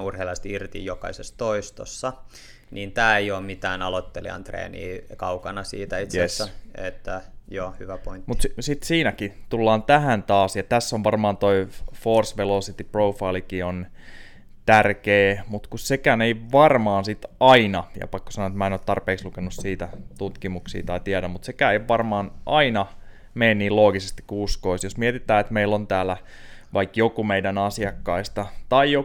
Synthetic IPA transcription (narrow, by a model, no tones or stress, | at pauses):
urheilɑst̪irt̪ḭjjokɑ̰isest̪oist̪osːɑ | niːnt̪æːejoːmmit̪æːnɑlot̪ːelḭɑ̰nt̪rḛːnḭːkɑukɑnɑsḭːt̪æit̪jesːæet̪ːæjoːhyʋæpoinmut̪ssit̪siːnækit̪ulːɑːnt̪æɦænt̪ɑːsjɑt̪æsːoʋʋɑrmɑːnt̪oifoːrsʋelosit̪iproufɑilikion | t̪ærkeːmut̪kussekæneiʋɑrmɑːnsit̪ɑinɑjɑ̰pɑkːo̥sɑnoet̪mæːenoːt̪ɑrpeːkslukenussiːt̪æt̪ut̪kimuksḭːt̪ɑit̪iæɾæmmut̪sekæːeiʋʋɑrmɑːnʔɑinɑ | meinniːloːɡisest̪i̥kkːuuskoisjosmiɛet̪it̪æːet̪meilːont̪æːlːæ | ʋʔɑikjokumeidænɑsiɑkːɑist̪ɑt̪ɑijo